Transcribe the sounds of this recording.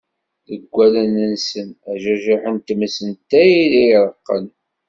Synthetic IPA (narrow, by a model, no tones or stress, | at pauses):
ðəɡʷːælænənsənæʒæʒiħənt̪əməsənt̪ːæjilijɾˤəqːə̰n